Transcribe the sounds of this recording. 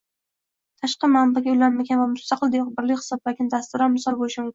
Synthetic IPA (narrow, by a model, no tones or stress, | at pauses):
t̪ʰaʃqɑmambaɡʲaʊjlanmaɡʲanvamʊst̪aqʰɨlˠd̪eqbɪɾlɪkʲhɨ̥sɒb̚lakʲɪnd̪ast̪ʊɾanmʊsɒɾboɪʃɪ